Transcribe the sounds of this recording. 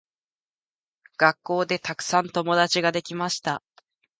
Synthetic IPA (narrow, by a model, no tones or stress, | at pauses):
ɡ̥akːo̞ːd̪e̞t̪akɯ̟̥sãnt̪o̞mo̞d̪at͡ɕiɡad̪e̞kʲimaɕi̥t̪a